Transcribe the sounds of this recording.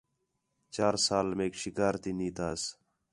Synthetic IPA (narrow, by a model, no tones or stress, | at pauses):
t͡ʃaːɾsaːlmẽːkʃɪkaːɾt̪iːniːt̪aːs